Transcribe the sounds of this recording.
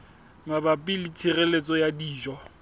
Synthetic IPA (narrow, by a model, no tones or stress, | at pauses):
mabapʼɪlɪt͡sʰirelet͡sʼɔjadiːd͡ʒɔ